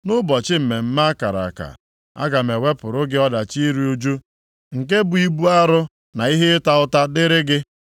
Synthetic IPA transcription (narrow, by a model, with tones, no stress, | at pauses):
nʊ˦bɔ˨t͡ʃɪ˦m̩˨me˨m̩˦ma˦a˦ka˨ɾa̰˨ka̰˨ | a̰˦ɡa˨me˨we˦pʊ˨ɾʊ˦ɡɪ˦ɔ˦da˨t͡ʃi˦ɾi˦u˦d͡ʒu˦ | ŋ̩˨k̬e˦bʊ˨i˦bu˦a˦ɾʊ˦ | na˨i˦ɦe˦ɪ˦ta˨ʊ˦ta˦dɪ˦ɾɪ˦ɡɪ˦